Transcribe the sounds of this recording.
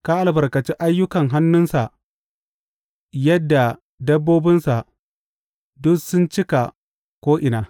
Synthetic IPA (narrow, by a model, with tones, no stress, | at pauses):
ka˦ʔa˨lbɐ˨rkɐ˨t͡ʃi˦ʔa˦jːʊ˦kɐ˨ŋɦa˦nːʊ˦nsa˨ʔ | jɐ˦dːa˨ | dɐ˦bːoː˦bɪ˦nsa˨ʔ | dʊ˦sʊ˦nt͡ʃɪ˦ka˨ | kʷoː˦ʔɪ˨naː˨